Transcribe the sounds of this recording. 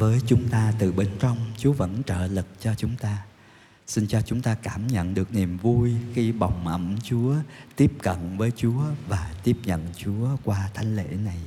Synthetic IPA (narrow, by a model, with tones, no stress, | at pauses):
vəː˨˦jt͡ɕʊ˨˦ŋ͡mt̪aː˧t̪ɨ˨˩ɓe˧nt͡ɕɔ˧wŋ͡mt͡ɕu˨˦əvə̰˧˥nt͡ɕə̰ː˧˨lɨ˨˩k̚t͡ɕɔ˧t͡ɕʊ˨˦ŋ͡mt̪aː˧ | si˧nt͡ɕɔ˧t͡ɕʊ˨˦ŋ͡mt̪aː˧kaː˧˩mɲə̰˧˨nɗɨ˨˩ək̚ni˨˩mvu˧jxi˧ɓa˨˩wŋ͡mʔə˧˩mt͡ɕu˨˦ət̪i˦˥əp̚kə̰˧˨nvəː˨˦jt͡ɕu˨˦əvaː˨˩t̪i˦˥əp̚ɲə̰˧˨nt͡ɕu˨˦əkwaː˧t̪ʰa˨˦jŋ̟lḛ˧˥na˨˩j